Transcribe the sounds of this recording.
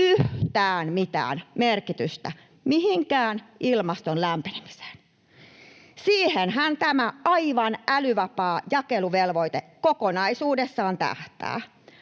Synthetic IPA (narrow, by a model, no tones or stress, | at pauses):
yht̪æːnmit̪æ̰ːnmerkit̪yst̪æ | mihiŋkæːnʔilmɑst̪onlæmpenemi̥se̥n | siːhenhænt̪æmæʔɑiʋɑnʔælyʋɑpɑːjɑkeluʋelʋoit̪ekokonɑisuːdesːɑːnt̪æ̰ht̪æ̰ː